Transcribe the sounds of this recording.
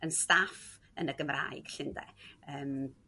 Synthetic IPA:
ənstaf | ənəɡəmra̰jɡ̥ɬɪndɛ̰əːm

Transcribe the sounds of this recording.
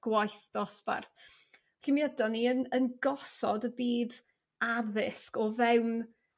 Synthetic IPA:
ɡ̥wajθd̥ɔspa̰rθ | ɬimiədɔniənənɡɔsɔdəbiːd | aðɪskɔvɛwn

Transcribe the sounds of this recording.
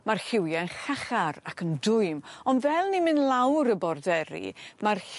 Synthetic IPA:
marhɪwjaənχaχaɾakʰəndʊɨmɔnvɛlˠnimɨnlˠawɾəbɔrdɛɾḭmarh

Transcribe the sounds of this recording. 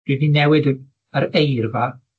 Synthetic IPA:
d̥iðinɛwɪd | əɾejrva

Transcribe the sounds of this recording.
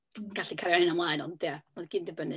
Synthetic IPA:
ɡ̥aɬikʰaɾjanɨnamlˠaɨnɔndiamaðɡ̥ɨːndɛbənɨ

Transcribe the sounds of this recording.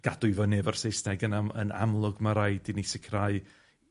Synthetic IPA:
ɡ̥ad̥ʊjvɔneːvarsɪsnɛɡənamə̰na̰mlˠʊɡmaɾajdɪnisɪkʰraj

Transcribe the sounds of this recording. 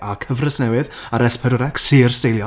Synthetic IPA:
akʰəvrəsnɛwɨð | aɾɛspʰɛdɔɾɛksirstejlˠjɔ

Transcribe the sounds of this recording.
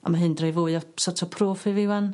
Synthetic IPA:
a̰maɦɨndrejvoːɨɔsɔtʰɔpʰroːfivɪwan

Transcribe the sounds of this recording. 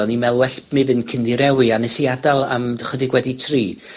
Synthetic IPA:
ɔnimɛlˠwɛɬmɨðənkʰɪndiɾɛwɨanɛsiadalˠa̰mdəχədiɡwɛditʰriː

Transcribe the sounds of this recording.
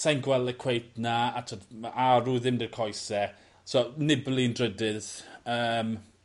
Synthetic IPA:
sajnɡwɛlˠɛkʰw̥ejtnaatʰɔdaɾuðɪmdɪrkʰɔjsɛ | sɔnɪblˠindrədɪðəːm

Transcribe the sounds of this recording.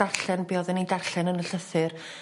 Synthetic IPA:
arɬɛnbiɔðɪnidarɬɛnənəɬəθɨr

